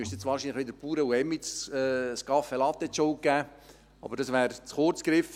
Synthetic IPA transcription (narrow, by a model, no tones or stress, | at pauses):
yəstjɛt͡sʋɑːɾʃinləχʋɪd̪əɾpuːɾəuɛmisskɑfelɑt̪ːɛt͡ʃoʊkæː | ɑ̰b̥əɾd̥ɑsʋæːɾt͡sχʊɾt͡skɾɪf